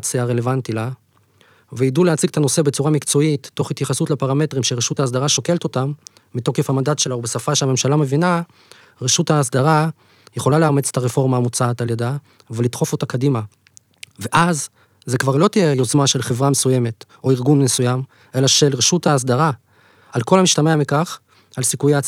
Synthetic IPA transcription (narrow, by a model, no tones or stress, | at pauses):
t͡seaʁe̞le̞vantila | veiduleat͡siɡet̪ano̞se̞bet͡suʁamikt͡so̞itːo̞χitjaχasutlapaʁame̞tʁimʃeʁeʃuthaːs̬d̪aʁaʃoke̞lto̞tamː | ito̞kefhamandatʃe̞laubesafaʃeame̞mʃalame̞vina | ʁeʃuthaːs̬d̪aʁa | je̞χo̞laleamet͡se̥taʁefo̞ʁmaːmut͡saːtaljada | velitχo̞fo̞takadima | ve̞ʔazː | e̞kvaʁlo̞tijejo̞zmaʃe̞lχe̞vʁamesuje̞me̞t | o̞iʁɡunmesujam | ʔe̞laʃe̞lʁeʃutaːs̬daʁa | alko̞lhamiʃtameamikaχ | alsikujea